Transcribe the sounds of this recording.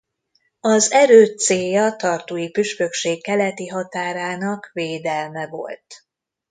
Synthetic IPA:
ɒzɛɾøːt̪seːjɒt̪ɒrt̪uːjipyʃpøkʃeːkːɛlɛt̪iɦɒt̪aːɾaːnɒkveːd̪ɛlmɛvo̞̰lt̪

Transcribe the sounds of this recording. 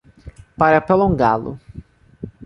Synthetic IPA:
paɾɐpɾolõŋɡa̰lʊ̰

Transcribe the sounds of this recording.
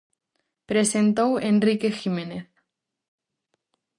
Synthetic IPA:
pɾe̞se̞nt̪owenrike̞ximẽ̞neθ

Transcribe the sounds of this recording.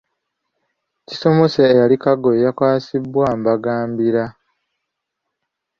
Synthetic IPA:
ci̥so̞mo̞seːjalikaɡoejakwaːsibwaːmbaɡaːmbiɾa

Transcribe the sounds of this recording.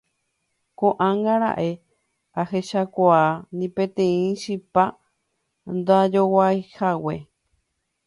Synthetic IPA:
kõʔãŋɡaɾa̰ʔe̞ | ahe̞ʃakʷaanĩpẽt̪ẽĩʃipa | nd̪ad͡ʒowajhawe

